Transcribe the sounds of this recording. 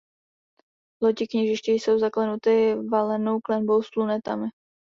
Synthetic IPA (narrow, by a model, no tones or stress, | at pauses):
locɪkɲɛʒɪʃcɪjso̞wzaklɛnut̪ɪvalɛnowklɛnbo̞wsplunɛt̪a̰mɪ